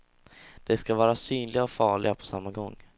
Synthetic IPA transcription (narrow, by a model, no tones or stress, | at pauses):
d̪̥ɛskavɑːɾasyːnlɪɡaɔfɑːɭɪ̰ɡapʰɔ̥samːaɡɔŋː